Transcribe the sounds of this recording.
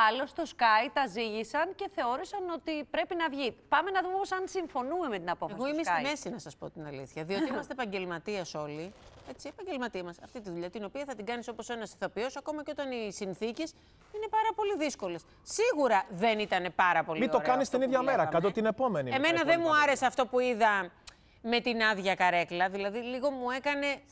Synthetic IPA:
ɐlo̞st̪o̞skɐjt̪ɐziʝisɐnce̞θe̞o̞ɾisɐno̞t̪ipɾe̞pinɐvʝipɐme̞nɐðumeposɐnsiɱfo̞nume̞me̞t̪inɐpo̞feɐsɣoimisme̞sinɐsɐspo̞̰t̪inɐlḭθçɐðio̞t̪imɐst̪epɐɲɟe̞lmɐt̪iɐso̞lie̞t͡siepɐɲɟe̞lmɐt̪iɐmɐsɐft̪it̪iðuʎɐt̪ino̞piɐθɐt̪iɡɐniso̞po̞se̞nɐsi̥θopiosɐko̞mɐceo̞t̪ɐnisinθices | ine̞pɐɾɐpo̞liðisko̞le̞s | siɣuɾɐðe̞nit̪ɐne̞pɐɾɐpo̞lmit̪o̞kɐnist̪iniðʝɐmeɾɐkɐt̪ot̪ine̞po̞me̞niemenɐðe̞nmuɐɾe̞seɐft̪o̞puiðɐ | me̞t̪inɐðʝɐkɐɾe̞klɐðilɐðiliɣo̞mue̞kɐne̞

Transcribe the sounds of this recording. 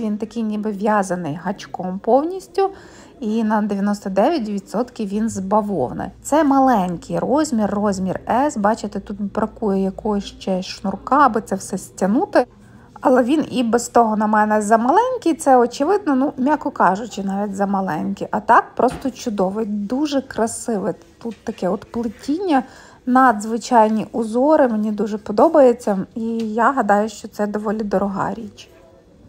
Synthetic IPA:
ʋʲint̪ɐkɪjnʲibɪʋʲjɑzɐnɪjɦɐt͡ʃkɔmpɔwnʲisʲtʲʊ | inɐd̪eʋʲjɐnɔst̪ɔd̪ɛʋʲjɐt̬ʲʋʲid̪sɔt̪kʲiwʋʲinzbɐʋɔ̰wnɪ̰t̪sɛmɐlˠɛnʲkʲʰɪjrɔzʲmʲirːɔzʲmʲirɛsbɑt͡ʃɪt̪ɪt̪ut̪̚bɾɐkujɛjɐkɔjɔʃt͡ʃɛʃnʊrkɑbɨt̪sɛwsɛsʲtʲɐnut̪ɪ | ɐlˠɛʋʲinibɛst̪ɔɦɔnɐmɛnɛzɐmɐlˠɛnʲkʲijt̪sɛɔt͡ʃɪʋɪd̪̚nɔnumʲakɔkɑʒʊt͡ʃɪnɑʋʲitʲzɐmɐlˠɛnʲkʲiʔɐt̪ɑk̚pɾɔst̪ɔt͡ʃʊd̪ɔʋɪd̪uʒɛkɾɐsɪʋɪ | t̪ut̪ːɐkɛɔt̪plˠɪtʲinʲːɐ | nɐd̪zʋɪt͡ʃɑjnʲiʔʊzɔɾɪmenʲid̪uʒɛpɔd̪ɔbɐjet͡sʲːɐijaɦɐd̪ɑjʊʃt͡ʃɔt̪sɛd̪ɔʋɔlʲid̪ɔɾʔɔɦɑ̰ɾʲit͡ʃ

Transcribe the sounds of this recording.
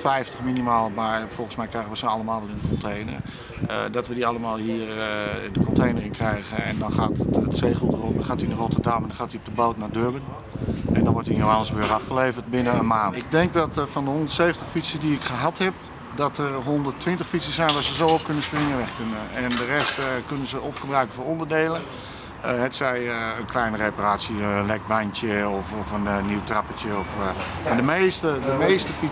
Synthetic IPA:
fɛjftəxminimaːlˠmarfɔlˠən̩smɛjkrɛjɣəʋəsonalˠəmaːlˠʋɛlˠɪndəkɔntʰejnə̰r̰ | dɔtʋədialˠəmaːlˠhiːərdəkɔntʰejnərɪnkrɛjɣəɛ̰ndɔnχaːtttseːχutərop̚dɔnxaːtinərotərdamɛndɔnχxaːtiop̚dəboːtnadøbən | ɛndɔnʋɔrtinoanəsbøːɾafχəleːvərtbɪnənənmaːntɪɡ̚dɛŋkdɔtəfɔndəɦondərtseːvəntəxfitsədiɪkχəɦathɛp̚ | dɔtərɦondərtʋɪntəxfitsəsɛjnʋaɹszəzowop̚kønəsprɪŋəʋɛxkønənɛndərɛstkønənzəofχəbrœɥkənfoːrondərdeːlˠə | ɦɛtsɛjəənklɛjnəreparaːsjəənlɛk̚bajntjəɔfɔfənniwtrapətjəɔfmadəmeːstədəmeːstəfi

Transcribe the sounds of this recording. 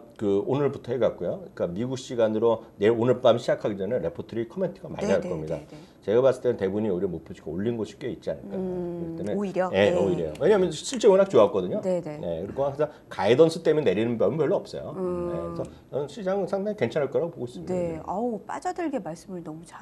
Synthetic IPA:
kɯonɯɭputʰʌheɡak͈ojoik͈amiɡuk̚ɕ͈iɡanɯɾoneonɯɭp͈amɕʰid͡ʑakʰaɡid͡ʑʌneɾe̞pʰotʰʌɾikʰʌme̞ntʰɯɡama̰ɲːaɭk͈ʌmɲida̰ | t͡ɕe̞ɡamas͈ɯɭtemɯnte̞buɲiuɾiemopʰɯɕʰi̥k͈ʰaoʎːinnɡoɕʰi̥p̚k͈eit̚t͡ɕ͈ia̰nɯɭk͈aɯt͈enɯniɾe̞oiɾjjowe̞ɲaɦamjʌnɕʰiɭt͡ɕ͈eŋɯɾak̚t͡ɕoak͈ʌdɯɲoenne̞kɯɾiɡoaasʰaŋkaidʌnsʰɯ̥t͈emjenːe̞ɾinɯnbjʌmbjʌɭːoʌp̚s͈ʌ̰jo̰ne̞̰sʰʌ | ʌnɕʰid͡ʑaŋɯnsʰaŋdaŋike̞nt͡ɕʰanɦaɭk͈ʌɾaɡopoɡois͈ɯmiap͈a̰d͡ʑadɯɭɡemaɭs͈ɯmɯɭnʌmut͡ɕa

